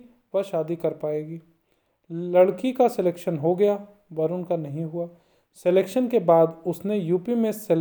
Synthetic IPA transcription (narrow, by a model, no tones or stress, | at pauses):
ʋɐʃaːd̪ikɐɾpaːeːɡiː | lɐɽkikasɪleːkʃənɦoɡɐja | bɐɾʊnkanɐɦĩɦʊaː | sɪleːkʃənkebaːd̪ʊsnejuːpimẽsɛl